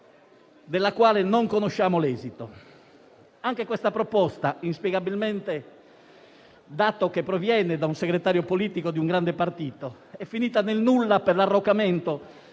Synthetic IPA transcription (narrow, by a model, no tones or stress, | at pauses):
d̪elːakwaːlenoŋkonoʃːaːmolɛːzit̪o | aŋkekwɛst̪apɾɔpɔst̪ainspjɛɡabilmɛnt̪e | d̪aːt̪okepːɾovjɛned̪aunseɡɾet̪aːɾjopoliːt̪ikod̪iuŋɡɾand̪epart̪iːt̪o | ɛfːiniːt̪anelnulːaperlarːokːamɛnt̪o